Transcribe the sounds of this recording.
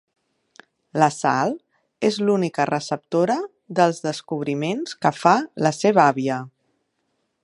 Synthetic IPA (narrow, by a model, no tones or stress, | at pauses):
ləsa̰lˠ | ezlunikərəsəp̚t̪oɾə | ðəlˠzðəskuβ̞ɾimenskəfaləseβəaβiə